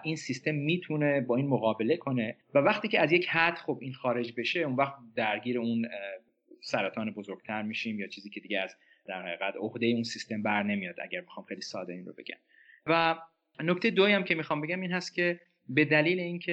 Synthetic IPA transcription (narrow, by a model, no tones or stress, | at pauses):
ʔinsist̪e̞mːiːt̪ʰune̞bɒːiːnmoɣɒːbe̞le̞kʰo̞ne̞vævæxt̪iːcʰeæzje̞chæt̪xo̞biːnxɒːɾe̞d͡ʒbe̞ʃe̞unvæxt̪̚d̪æɾɟiːɾeun | sæɾæt̪ʰɒːnebo̞zoɾɡ̥̚t̪ʰæɾmiːʃimjɒːt͡ʃʰiːziːcʰe̞d̪iːɟeæz | d̪̥æɾhæiːɣæt̪ohd̪e̞jeunsist̪e̞mbæɾne̞mijɒd̪æ̰ɟæɾmixɒːmxejlisɒ̰ːd̪eiːnɾo̞̰be̞̰ɟʲæ̰m | væ | noct̪ʰejd̪ojæmcʰemixɒːmbe̞ɟæmiːnhæst̪̚kcʰe̞ | be̞d̪æliːle̞iːncʰe